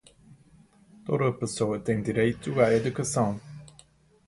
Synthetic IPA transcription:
t̪od̪ɐpesoɐt̪ẽj̃d̪iɾejt̪uaɾed̪ukɐsɐ̃w̃

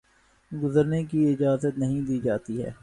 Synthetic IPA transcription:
ɡʊzəɾnek̬iɪd͡ʒaːzət̪nɐɦĩd̪iːd͡ʒaːt̪iɦɛ̰ː

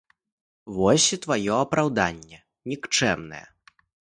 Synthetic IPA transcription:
vɔsʲit̪vajɔɐpɾawd̪anʲːɛ | nʲikt͡ʂɛ̰mnɐ̰jɛ̰

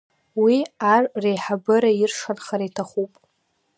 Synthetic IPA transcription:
wiarrejħabɨɾaɪrʂanχaɾaitʰaχupʼ

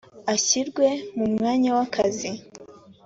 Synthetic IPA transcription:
aɕiɾɡwe̞mumŋaːɲawakʰazi

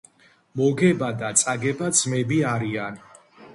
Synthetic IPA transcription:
mɔɡɛbad̪at̪sʼaɡɛbad̪zmɛbiaɾian

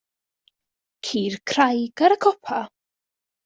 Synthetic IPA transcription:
kʰiːrkʰrajɡ̥aɾəkʰɔpʰa

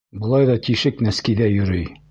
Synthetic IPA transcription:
bɤ̆lˠɑjðɒt̪iʃɘknæskiðæjɵ̆ɾɵj

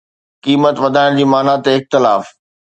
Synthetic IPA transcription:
kiːmət̪ʋɐd̪ʱaːɪɽ̃d͡ʑiːmaːnat̪eɪxt̪ɪlaːf

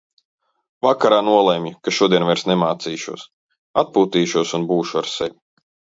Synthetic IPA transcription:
vakaɾaːnuɔlˠemjukaʃuɔd̪iɛnvɛɾsnɛmaːt̪siːʃṵɔs | at̪̚puːt̪iːʃuɔsunbuːʃuaɾsɛvʲi

